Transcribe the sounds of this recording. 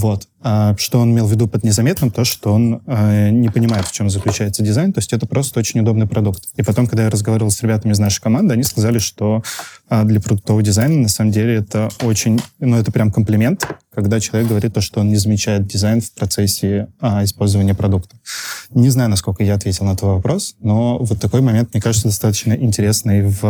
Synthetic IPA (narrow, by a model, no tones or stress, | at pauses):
vo̞t̪ | aʂt̪o̞o̞nɪmʲelˠvʲɪd̪upəd̪nʲɪzɐmʲet̪nɨmt̪o̞ʂt̪o̞o̞nanʲɪpənʲɪmajɪt̪ft͡ɕomzəklʲʉt͡ɕæjɪt̪sədʲɪzajnt̪o̞sʲtʲɛt̪əpɾo̞st̪əot͡ɕɪnʲʊd̪o̞bnɨjpɾɐd̪ukt̪ipɐt̪o̞mkɐɡ̚d̪ajaɾəzɡɐvaɾʲɪvəlˠsɾʲɪbʲat̪əmʲɪznaʂə̥jkɐmand̪ɨɐnʲiskɐzalʲɪʂt̪o̞ | d̪lʲəpɾəd̪ʊk̚t̪ovədʲɪzajnənɐsaməmdʲelʲɪɛt̪əot͡ɕɪnʲnuɛt̪əpɾʲamkəmplʲɪmʲe̞nt̪kɐɡd̪at͡ɕɪlˠɐvʲek̚ɡəvɐɾʲit̪ːoʂt̪oonnʲɪzəmʲɪt͡ɕæjɪt̪̚dʲɪzajnfpɾɐt̪sɛsʲːɪaɪspo̞lʲzəvənʲɪjəpɾɐd̪ukt̪ə̥nʲɪznajʊnɐsko̞lʲkəjaɐt̪vʲetʲɪlˠnəɛt̪vəvɐpɾo̞sno̞vot̪ːɐko̞jmɐmʲent̪̚mnʲekaʐɨt̪səd̪ɐst̪at̪ə̥t͡ɕnəʔɪnʲtʲɪɾʲe̞snɨjv